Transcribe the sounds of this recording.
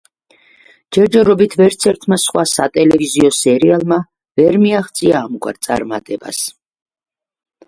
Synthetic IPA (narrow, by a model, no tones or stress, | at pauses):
d͡ʒ̥ɛɾd͡ʒɛɾɔbit̪ʰvɛɾt̪sʰɛɾt̪ʰmasχwasat̪ʼɛlɛviziɔsɛɾialˠma | vɛɾmiaχt̪sʼiaːmɡwa̰ɾt̪sʼa̰ɾma̰t̪ʼɛba̰s